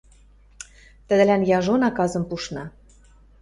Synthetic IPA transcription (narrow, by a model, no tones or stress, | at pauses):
t̪ə̆d̪ə̆lænjɑʒonɑkɑzɤ̆mpuʃnɑ